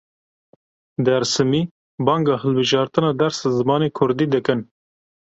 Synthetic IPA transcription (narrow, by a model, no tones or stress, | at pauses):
d̪æɾsɨmiː | bɑːŋɡɑːhəlbɨʒɑːɾt̪ɨnɑːd̪ɛɾszɨmɑːneːkʰʊɾd̪iːd̪ɨkɨn